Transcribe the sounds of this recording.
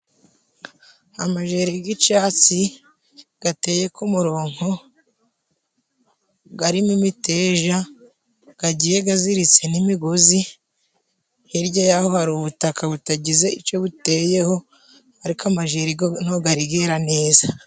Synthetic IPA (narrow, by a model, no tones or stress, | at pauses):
amaʒeːɾiɡit͡ʃaːt͡si | ɡ̥ate̞ːje̞kumuɾo̞ːŋ̥ho̞ | ɡaɾimumite̞ːʒa | ɡ̥aɟije̞ɡaziɾit͡se̞nimiɡozi | hiɾɟajaho̞haɾuβutakʰaβutaɟize̞it͡ʃo̞βute̞ːje̞ho̞ | aɾikamaʒeɾiɡon̥oɡaɾiɡeɾane̞ːza